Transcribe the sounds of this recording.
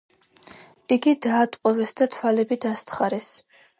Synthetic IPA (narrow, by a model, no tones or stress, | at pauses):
iɡid̪aːt̪ʼqʼɔvɛsd̪at̪ʰwalɛbid̪ast̪χaɾɛs